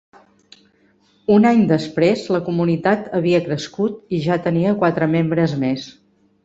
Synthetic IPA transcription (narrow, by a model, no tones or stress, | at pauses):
unaɲd̪əspɾezləkumunit̪at̪əβiəkɾəskut̪iʒat̪əniəkwat̪ɾəmembɾəzmes